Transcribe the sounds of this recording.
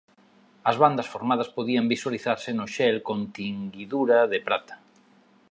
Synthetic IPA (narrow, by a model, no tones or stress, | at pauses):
ɐzβand̪ɐsfoɾmað̞ɐspoðiambiswaliθaɾsɪnʊʃɛlkõnt̪iŋɡiðuɾaðepɾat̪ḁ